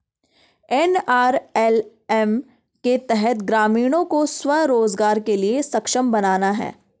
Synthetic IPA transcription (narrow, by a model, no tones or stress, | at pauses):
ɛnaːɾɛl | ɛm | ket̪ɛɦət̪ɡɾaːmiːɽ̃õkoswɐɾoːzɡaːɾkeliesɐkʃəmbɐnaːnaɦɛ̰ː